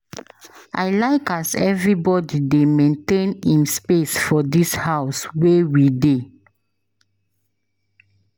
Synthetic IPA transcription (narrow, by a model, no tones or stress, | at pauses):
ʔa̰ɪlaɪkazɛvɹibɔdidemẽntẽnĩnspesfɔdishaʊswewide